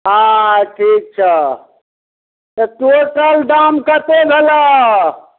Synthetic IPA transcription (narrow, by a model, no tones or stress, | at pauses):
ɦãʈʰiːk̚t͡ʃʰə | t̪əʈoʈəlɖamkət̪eɡʱelə